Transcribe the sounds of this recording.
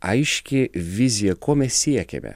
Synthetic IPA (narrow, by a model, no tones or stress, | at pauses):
ɐɪʃʲkʲɪʋʲɪzʲɪjɛkʰoːmʲɛsʲiɛkʲɛ̰mʲɛ̰